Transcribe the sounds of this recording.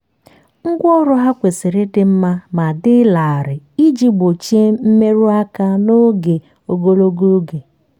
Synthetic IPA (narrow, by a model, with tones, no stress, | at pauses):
ŋ̩˦ɡʷɔ˦ɾʊ˦ɦa˦kʷe˨sɪ˨ɾɪ˦dɪ˦m̩˦ma˦ma˨dɪ˦la˨a˨ɾɪ˨i˦d͡ʒi˦ɡ͡bo˨t͡ʃe˦m̩˦me˦ɾu˦a˦ka˦no˦ɡe˨ | o˨ɡo˦lo˦ɡo˦ɡe˨